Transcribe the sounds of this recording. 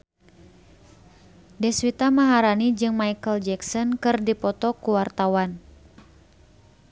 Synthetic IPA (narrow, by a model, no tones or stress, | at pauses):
dɛswit̪amaɦaɾanid͡ʒɨŋmajkəld͡ʒɛksɔnkɨrdipɔt̪ɔkuwart̪awan